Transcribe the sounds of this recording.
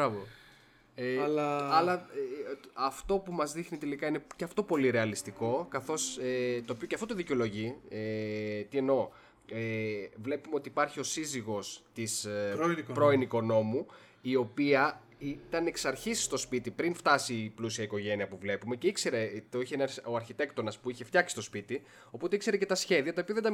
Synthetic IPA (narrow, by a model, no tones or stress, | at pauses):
bɾɐvo | elɐlɐ | ɐft̪o̞pumɐzðixnit̪elikɐine̞ceɐft̪o̞po̞liɾe̞ɐlist̪iko̞kɐθo̞set̪oːpioceɐft̪ot̪oðiceolo̞ʝiet̪ie̞no̞ | evle̞pumeo̞t̪iːpɐɾçio̞siziɣo̞st̪is | pɾoiniko̞no̞mu | io̞piɐ | it̪ɐne̞ksɐɾçisi̥st̪o̞spit̪ipɾinft̪ɐsiplusiɐiko̞ʝe̞niɐpuvle̞pume̞ceikse̞ɾet̪çienɾo̞ɐɾçit̪e̞kt̪o̞nɐspuiçe̞ft̪jɐksist̪o̞spit̪i | o̞po̞t̪e̞ikse̞ɾecet̪ɐsçe̞ðiɐt̪ɐopiɐðed̪ɐ